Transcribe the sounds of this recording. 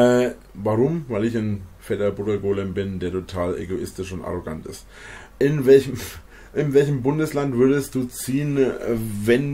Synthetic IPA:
ɛː | vaʁʊmvaɪlɪçnfɛtɐbʊdɐɡoːlɛmbɪndeːɐtʰotʰaːlʔḛɡoʔɪstɪʃʊnta̰ʁ̞oɡa̰ntɪ̰st | ʔɪnvɛlçəm | ʔɪnvɛlçəmbʊndəslantv̥ʏɐdəst̚d̥uːt͡siːənvɛn

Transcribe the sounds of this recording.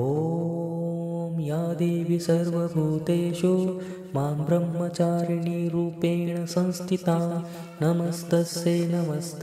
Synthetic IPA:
oː | mjaːd̪eːʋisɐɾʋɐbʱuːt̪eːʃu | maːmbɾɐmːɐt͡ʃaːɾɳiɾuːpeːɳɐsɐ̃nst̪ʰit̪aː | nɐmɐst̪ɐseːnɐmɐst̪

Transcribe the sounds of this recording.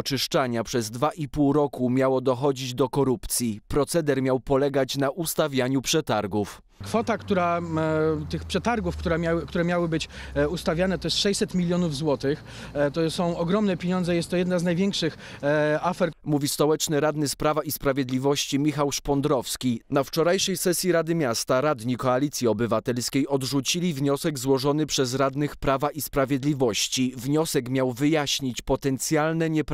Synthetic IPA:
t͡ʂɘʂt͡ʂaɲapʂɛzd̪vaʔipuwɾɔkumʲjawɔd̪ɔxɔd͡ʑid͡ʑd̪ɔkɔɾupt̪sʲjipɾɔt̪sɛd̪ɛɾmʲjawpɔlɛɡat͡ɕnaʔust̪avʲjaɲupʂɛt̪aɾɡuf | kfɔt̪akt̪uɾa | t̪ɘxpʂɛt̪aɾɡufkt̪uɾɛmʲawkt̪uɾɛmʲjawɘbɘt͡ɕust̪avʲjanɛt̪ɔjɛst̪ʂɛjʲsɛt̪mʲilʲjɔnuvzwɔt̪ɘx | t̪ɔsɔ̃w̃ɔɡɾɔmnɛpʲjeɲɔnd̪zɛjɛst̪t̪ːɔjɛd̪naznajvʲjɛŋkʂɘx | afɛɾmuvʲist̪ɔwɛt͡ʂnɘɾad̪nɘspɾavaispɾavʲjeɛd̪lʲivɔɕt͡ɕimʲixawʂpɔnd̪ɾɔfskʲinaft͡ʂɔɾajʂɛjsɛsʲjiɾad̪ɘmʲjast̪aɾad̪ɲikɔalʲit̪sʲjiɔbɘvat̪ɛlskʲejʔɔd̪ʐut͡ɕilʲivɲɔsɛɡzwɔʐɔnɘpʂɛzɾad̪nɘxpɾavaʔispɾavʲjɛd̪lʲivɔɕt͡ɕivɲɔsɛkmʲjawvɘjaɕɲit͡ɕpɔt̪ɛnt̪sʲjalnɛɲɛp

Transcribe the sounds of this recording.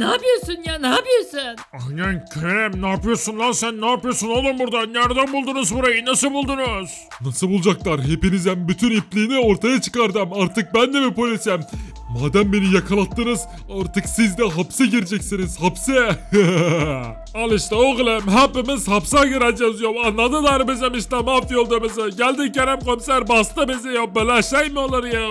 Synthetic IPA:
nabijosynjanapijesɪn | anankʲʰøɾɛmnapjosunːˠalˠsænːapjosunalˠɯmbuɾd̪anʲaɾd̪anbulˠd̪unʊzbuɾajɯnɑsɯbulˠd̪unʊz̥ | nɑsɯbulˠd͡ʒak̚lˠaɾɦepinizæmbyt̪ʰyniplinioɾt̪ʰajat͡ʃʰɯ̥kaɾd̪ɯmaɾt̪ʰɯk̚bænd̪emipʰojesɛm | maːd̪æmbenijɑkʰɑlˠat̪ːɯnɯz | aɾt̪ɯksizd̪ɛɦapsɛɟiɾd͡ʒɛcsiniz̥hapsɛ | alˠɯʃt̪aoɣlʲˠɛmɦapːimiz̥hapsaɡiɾænd͡ʒazujomanːad̪ɯd̪aːɾɯbezɛmiʃt̪amafijolˠd̪amɪzɯɟælʲd̪ɪɛɾɛmkʰomsæɾbast̪abezɛjobelæʃɛjmɪolˠaɾɯja

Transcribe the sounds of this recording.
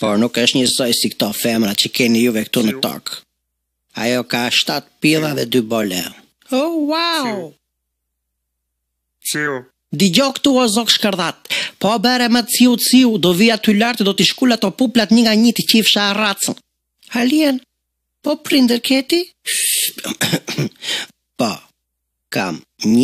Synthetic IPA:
pɔɾnukəʃt̪ɲəsɔjsikt̪ɔfɛmɾat͡ɕəkɛnijuvɛkt̪unət̪ɔ̰k | a̰jɔkaʃt̪at̪piðaðɛ̰d̪ybɔlɛ̰ | ɔwaw | d̪iɟɔkt̪uɔzɔkʃkəɾðat̪̚pɔbɛɾɛmatt͡siut͡siud̪ɔviat̪ylaɾt̪d̪ɔt̪iʃkulat̪ɔpuplat̪ɲəŋɡaɲit̪əcifʃaːrat͡sən | aliɛn | pɔpɾind̪əɾkɛt̪i | pɔ̰ | ka̰mɲ

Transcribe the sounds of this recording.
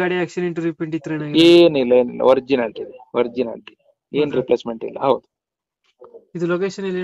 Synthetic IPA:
aːɽiæːkʂɐniɳʈuɾipeɳʈit̪ɾeːnaɡeːnilːɐeːnḭlːɐ̰ʋɐɾd͡ʒinaɽt̪id̪eʋɐɾd͡ʒina̰ːɽt̪ie | eːnɾiplesmeɳʈḭlːɐ̰ɦɐwd̪u̥ | id̪ulokeːʃɐnilːi

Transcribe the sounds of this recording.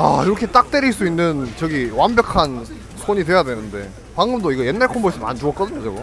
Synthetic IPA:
a̰iɾʌkʰe̞t͈ak̚t͈eɾiɭs͈uinːɯnt͡ɕʌɡiwambjʌkʰan | sʰoɲidwe̞jadwe̞nɯnde̞̰ | paŋɡɯmdoiɡʌje̞nːaɭkʰomboes͈ʰʌma̰nt͡ɕoʌk͈ʌdɯɲot͡ɕʌɡo

